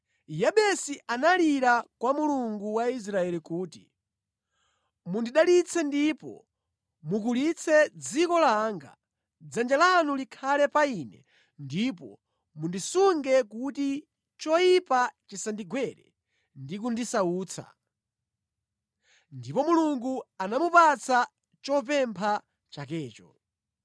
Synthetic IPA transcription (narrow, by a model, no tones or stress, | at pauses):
jaɓɛsiʔanaliɾakwamuluŋɡuwais̬ɾaɛlikuːti̥ | mundiɗalit͡sʰɛndipɔ̰ | mukulit͡sʰɛd͡zikɔlaːŋɡa̰ | d͡zand͡ʒalanulikʰalɛpainɛ | ndip̬ɔ̰ | mundisuŋɡɛkuti | t͡ʃɔjipat͡ʃisandiɡwɛɾɛ̰ | ndikundisauːt͡sʰa̰ | ndipɔmuluŋɡuanamupat͡sʰa | t͡ʃɔp̬ɛmpʰa | t͡ʃak̬ɛːt͡ʃɔ